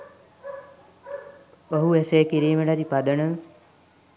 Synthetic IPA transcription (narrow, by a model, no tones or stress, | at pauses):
oɦueseːkiɾiːməɖat̪ipad̪ənəm